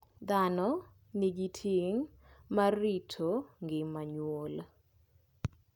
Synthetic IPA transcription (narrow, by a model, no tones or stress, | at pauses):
d̪anɔ | nɪɡitʰiŋ | maritʰoŋɡɪmaɲwol